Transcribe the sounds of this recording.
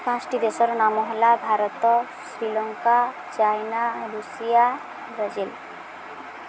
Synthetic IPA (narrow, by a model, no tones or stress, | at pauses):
pãsʈid̪esɔɾnamɔɦelabʱaɾɔt̪ɔ | sɾilɔŋka | t͡ʃajnaɾusija | bɾad͡ʒel